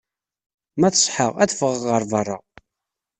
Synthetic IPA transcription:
mæθə̥sˤħəʁæθfəʁʁəɾˤvɑrˤːɑ̰

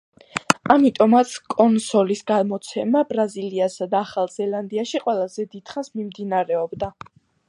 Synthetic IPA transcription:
amit̪ʼɔmat̪sʰkʼɔnsɔlisɡamɔt̪sʰɛmabɾaziliasad̪aːχalˠzɛlˠand̪iaʃiqʼwɛlˠazɛd̪id̪̥χansmimd̪inaɾɛɔbd̪a

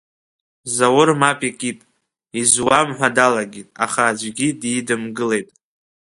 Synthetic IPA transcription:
zawʊrmapʼikʼitʼ | izwamħʷadalaɡʲitʼa̰χaːd͡ʒʷɡʲidiːdɨmɡɨle̞jtʼ

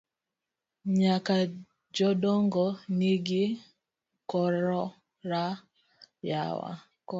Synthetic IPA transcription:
ɲaka | d͡ʒɔdɔŋɡɔniɡɪ | kɔɾɔ | ɾa | ja̰wa̰ | k

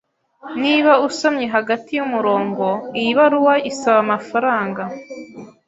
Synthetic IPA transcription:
niːβausamɲe̞ɦaɡatijumuɾo̞ːŋɡo̞ijiβaɾuwaʔisaβamafaɾaːŋɡa

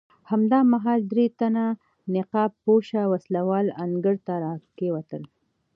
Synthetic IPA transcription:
hamd̪ɑmaɦɑld̪ɾet̪ana | nɪqɑpːoʃawaslawɑlaŋɡəɾt̪aɾɑkewat̪əl

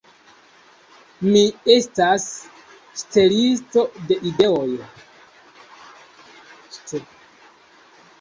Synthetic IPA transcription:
mie̞stas | ʃte̞listo̞de̞ʔide̞oj | te

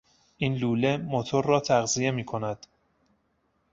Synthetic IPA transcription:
ʔiːnluːle̞mot̪ʰoɾːɒːt̪ʰæɣzije̞miːkʰo̞næd̪̥

